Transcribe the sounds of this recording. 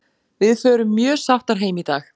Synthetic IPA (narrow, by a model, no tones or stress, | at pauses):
vɪðfœːɾʏmːjœːsaft̪aɾ̥ɦeːjmit̪aːx